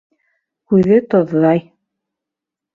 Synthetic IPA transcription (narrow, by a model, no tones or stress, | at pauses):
kʉðɘt̪ŏðːɑj